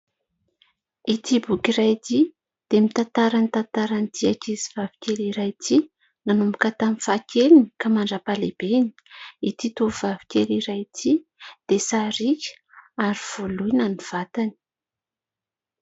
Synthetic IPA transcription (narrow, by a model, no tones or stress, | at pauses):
it̪ibukirajt̪i | d̪̥emit̪ant̪aɾanit̪ant̪aɾant̪ʰiakizivavi̥kʲeliɾajt̪ʰi | nanumukat̪amifakʰelinikamaɳɖ͡ʐapaleb̥eni̥it̪it̪ovavi̥kʲeliɾajt̪ʰid̪̥esaɾikʲ | aɾiv̥olujnaniv̥at̪ani̥